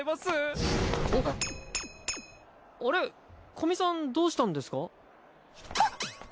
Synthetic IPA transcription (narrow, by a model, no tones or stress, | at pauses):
imasɨ | oɾe̞ | kʰo̞mʲisãnd̪o̞ːɕi̥t̪ãnd̪e̞sɨ̥ka